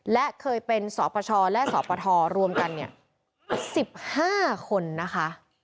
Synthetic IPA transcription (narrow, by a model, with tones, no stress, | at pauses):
lɛ˦˥ʔkʰɤː˧jpe˧nsɔ̰ː˩˦pʰa˧t͡ɕʰɔː˧lɛ˦˥ʔsɔ̰ː˩˦pʰa˧t̪ʰɔː˧ɾu˧əmka˧nːi˥˩ə | si˨˩p̚haː˥˩kʰo˧nːa˦˥kʰa˦˥ʔ